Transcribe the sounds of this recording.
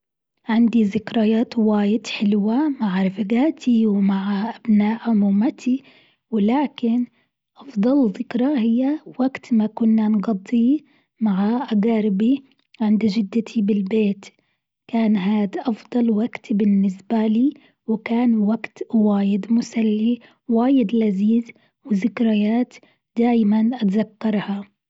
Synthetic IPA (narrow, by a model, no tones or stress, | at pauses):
ʕɪnd̪iðɪkɾajaːt̪waːjɪd̪ħɪlwamaʕɾɪfaɡaːt̪ʰiwmaʕaʔabnaːʔʕʊmuːmat̪ʰi | wɪlaːkɪn | ʔɑfd̪ˤɑlðɪkɾɑhɪjːawaɡt̪makʊnːanɡɑd̪ˤːi | maʕaʔaɡaːɾɪbi | ʕɪnd̪ad͡ʒɪd̪ːɪt̪ʰibɪlbeːt̪ | kaːnɦaːd̪ʔɑfd̪ˤɑlwaɡt̪bɪnːɪsbaliː | wɪkaːnwaɡt̪waːjɪd̪mʊsalːi | waːjɪd̪laziːz | wɪðɪkɾajaːt̪ | d̪̥aːjmanʔat̪zakːɑɾˤha